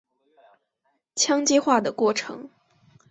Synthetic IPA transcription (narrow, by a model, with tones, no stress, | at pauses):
t͡ɕʰjɑ˥ŋt͡ɕi˥xwa˥˩d̪ə˩kwɔ˥˩ʈ͡ʂʰɤ̰˧˥˦ŋ